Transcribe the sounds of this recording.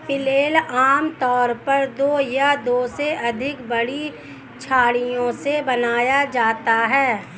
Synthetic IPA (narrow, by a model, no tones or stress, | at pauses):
pɪleːlaːmt̪ɔːɾpɐɾd̪oːjad̪oːseʔɐd̪ʱɪkbɐɽi | t͡ʃʰaːɽijõsebɐnaːjad͡ʒaːt̪aɦɛː